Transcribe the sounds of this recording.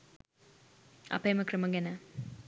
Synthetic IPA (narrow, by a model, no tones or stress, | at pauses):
ɐ̰pɐjmɐkɾɐmɐɡenɐ